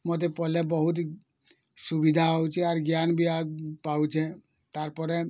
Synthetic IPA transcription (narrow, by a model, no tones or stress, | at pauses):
mot̪̬epɔlebɔɦut̪ | subid̪ʱaɔwt͡ʃʰiaɾɡjanbʱiapawt͡ʃʰɛ̃ | t̪aɾpɔɾe